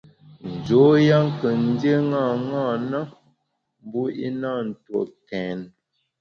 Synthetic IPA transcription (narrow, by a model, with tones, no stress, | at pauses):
n̩˨d͡ʒo˨˦ja˦ŋ˦kə˨n̩˦də˦ŋa˦˨ŋa˦˨na˦ | m˦bu˦ḭ˦na˦˨n̩˨two̰˨kɛ˨n